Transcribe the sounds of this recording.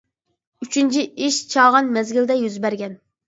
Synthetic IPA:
yt͡ʃʰynt͡ʃʰiiʃt͡ʃʰɑːʁɑnmɛzɡʲild̪ɛjyzbæɾɡʲɛn

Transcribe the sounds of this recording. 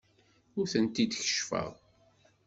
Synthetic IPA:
ʊɾθənt̪id̪çə̥ʃfə̰ʁ

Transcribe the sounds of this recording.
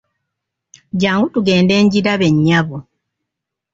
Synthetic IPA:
ɟaːŋɡutuɡe̞ːnde̞ːɲɟiɾaβe̞ɲːaβu

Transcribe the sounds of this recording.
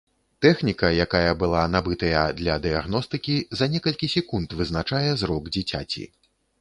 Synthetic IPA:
t̪ɛxnʲikɐjakajɐbɨlˠanabɨt̪ɐjɐd̪lʲɐd̪ɨjaɣnɔst̪ɨkʲizɐnʲɛkɐlʲkʲisʲɛkunt̪vɨznat͡ʂajɛzɾɔɡd͡zʲit͡sʲa̰t͡sʲḭ

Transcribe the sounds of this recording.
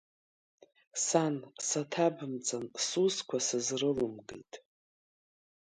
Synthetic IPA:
sansatʰabɨmt͡sʼansuskʷʰasɨzrɨlɨmɡḛjtʼ

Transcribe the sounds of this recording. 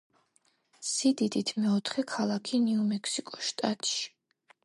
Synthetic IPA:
sid̪id̪it̪ʰmɛɔt̪ʰχɛkʰalˠakʰiniumɛkʰsikʼɔ̥ʃt̪ʼat̪ʼʃi̥

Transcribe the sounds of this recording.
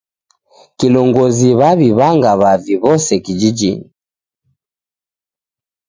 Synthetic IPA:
kilɔŋɡɔziβaβiβaŋɡaβaviβɔsɛkid͡ʒid͡ʒḭni

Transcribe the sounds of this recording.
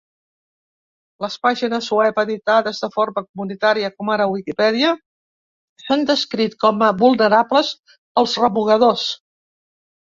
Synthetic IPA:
ləspaʒinəzuɛpəðit̪aðɛst̪əfoɾməkumunit̪aɾiəkɔmaɾəwikipɛðiə | sənd̪əskɾit̪kɔməβulˠnəɾapləz | əlˠzrəβuɣəðos

